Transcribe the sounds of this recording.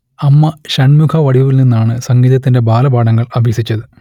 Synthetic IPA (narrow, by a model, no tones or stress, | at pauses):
ɐmːɐɕɐɳmukʰɐʋɐɽiʋɐʋilninːaːɳɨsɐŋɡiːðɐt̪ːinde̞baːlɐbaːɖɐŋːɐɭɐbʱesit͡ɕːɐðɨ